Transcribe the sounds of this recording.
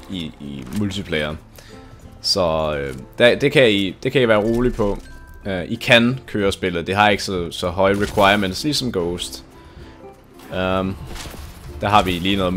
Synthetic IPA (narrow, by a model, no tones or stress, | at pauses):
iimult͡sʰipʰleɪɐ | sɒ̽ød̥æd̥e̝kʰæjid̥e̝kʰæiʋæːɐʁo̝ːlipʰɒ̽ | ʔikʰænkʰøːɐsb̥e̝lð̩ˠd̥eɦɑ̈e̝ɡ̥əsɒsɒ̽ɦɒ̽ɪəʁikʰwɑ̈ɪɐmen̰d̥sliːsɒ̽mɡ̥ɔʊsd̥ | d̥æɦɑ̈ʋiliːnɔ̽ːð̩